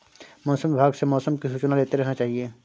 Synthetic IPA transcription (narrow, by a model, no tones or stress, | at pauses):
mɔːsə̃mʋɪbʱaːɡsemɔːsəmkiʃut͡ʃnaleːt̪eɾɛɦnat͡ʃaːɦieː